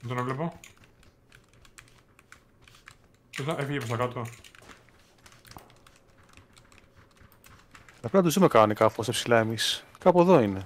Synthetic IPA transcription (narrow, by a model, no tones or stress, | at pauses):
t̪onevlepo | est̪ɐʔefiʝepost̪ɐkat̪o | lɐpenɐt̪uzumekɐnikɐfuosepsilaemiskɐpue̞ðoine̞